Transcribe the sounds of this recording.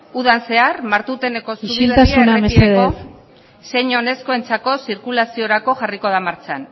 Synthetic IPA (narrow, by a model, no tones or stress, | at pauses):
uðanse̞armaɾt̪ut̪e̞neko̞suilet̪asunameieðe | se̞ɲo̞ne̞sko̞e̞nt͡sako̞siɾkulasio̞ɾako̞ʝariko̞ð̞amaɾt͡san